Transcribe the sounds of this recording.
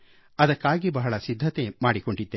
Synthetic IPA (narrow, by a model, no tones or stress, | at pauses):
ɐd̪ɐkːaːɡibɐɦɐɭɐsid̪ʱːɐt̪emaːɽiko̞ɳɖid̪ːe